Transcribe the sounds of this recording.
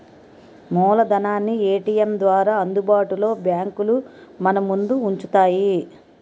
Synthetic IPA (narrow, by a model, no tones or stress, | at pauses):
mɔːlɐd̪ɐnaːnːieːʈiːjemd̪ʋaːɾaːɐnd̪ubaːʈulo̞ːbjaːŋkulumɐnɐmund̪uːɲt͡ʃut̪aːji